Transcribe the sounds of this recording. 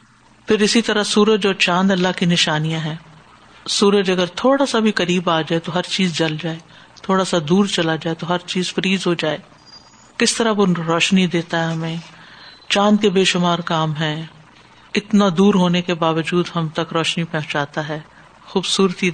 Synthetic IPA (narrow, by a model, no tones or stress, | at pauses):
pʰɪɾɪsit̪ɐɾasuːɾət̪̚d͡ʒoːt͡ʃãːnd̪ɐlːaɦkinɪʃaːnijãɦɛ̃ː | suːɾət̪ɐɡəɾt̪ʰoːɽasabʱikɐɾiːbaːd͡ʒaːet̪oɦɐɾt͡ʃiːzd͡ʒɐld͡ʒaːeː | t̪ʰoːɽasad̪uːɾt͡ʃɐlad͡ʒaːet̪oɦɐɾt͡ʃiːzfɐɾiːzɦod͡ʒaːeː | kɪst̪ɐɾaboɾɔːʃnid̪eːt̪aɦɛɦɐmẽː | t͡ʃãːnd̪̚kebeːʃʊmaːɾkaːmɦɛ̃ː | ɪt̪nad̪uːɾɦoːnekebaːʋəd͡ʒuːd̪ɦɐmt̪ɐkɾɔːʃnipɛ̃ɦʊ̃t͡ʃaːt̪aɦɛː | xuːbsuːɾt̪i